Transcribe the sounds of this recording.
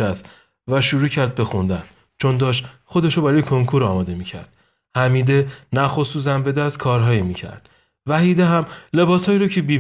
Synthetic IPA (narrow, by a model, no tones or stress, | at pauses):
æst̪ | væʃuɾuːcʰæɾd̪̚be̞xund̪æn | t͡ʃʰo̞nd̪ɒːʃt̪χo̞d̪eʃobæɾɒːjekʰoŋkʰuɾɒːmɒːd̪e̞miːcʰæ̰ɾd̪̥ | hæmiːd̪e̞næxo̞suːzæmbe̞d̪æst̪kʰɒːɾɦɒːjimiːcʰæ̰ɾd̪̥ | væhiːd̪eɦæmle̞bɒːshɒːjiːɾocʰe̞biː